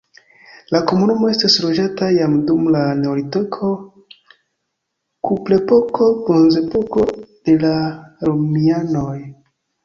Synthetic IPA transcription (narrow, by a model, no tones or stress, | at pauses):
lako̞munumo̞e̞staslo̞d͡ʒatajamdumlane̞olitokʰo̞ | kuple̞po̞kʰo̞bonze̞poko̞d̥e̞laɾomiano̞j